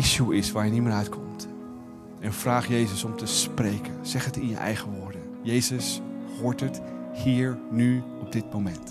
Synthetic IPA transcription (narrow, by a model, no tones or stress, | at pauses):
ɪʃuɪsʋaːɹjəniməːɹœɥtkʰɔmt | ɛnv̥raːχjejzəsɔmtəsprejkənz̥ɛχɦətɪnjə̰ʔɛ̰jχəʋʊːɹdənjejzəshʊːɹtəthiːɹny | ɔb̚dɪt̚mowmɛnt